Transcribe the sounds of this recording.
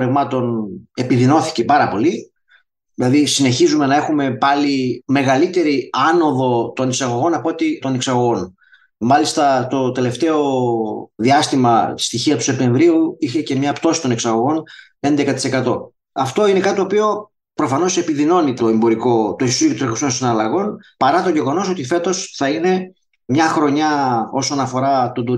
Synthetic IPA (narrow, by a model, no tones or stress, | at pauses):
ɾevmɐt̪o̞ne̞piðino̞θi̥ce̞pɐɾɐpo̞li | ðilɐðisine̞çizume̞nɐe̞xume̞pɐlime̞ɣɐlit̪e̞ɾiɐno̞ðo̞t̪o̞niksɐɣo̞ɣo̞nɐpo̞t̪it̪o̞neksɐɣo̞ɣo̞n | mɐlist̪ɐt̪o̞t̪e̞le̞ft̪e̞o̞ | ðiɐst̪imɐst̪içiɐt̪u̥se̞p̚t̪e̞ɱvɾiuiçe̞ce̞mɲɐpt̪o̞si̥t̪o̞neksɐɣo̞ɣo̞n | e̞nd̪ekɐt̪i̥se̞kɐt̪o̞ | ɐft̪o̞inekɐt̪it̪opio̞ | pɾo̞fɐno̞se̞piðino̞nit̪o̞embo̞ɾiko̞t̪ossiot̪ɾexoso̞nsinɐlɐɣo̞npɐɾɐt̪o̞ʝe̞ɣo̞no̞so̞t̪ife̞t̪o̞sθɐine̞ | mɲɐxɾo̞ɲɐo̞sonɐfo̞ɾɐt̪ud̪u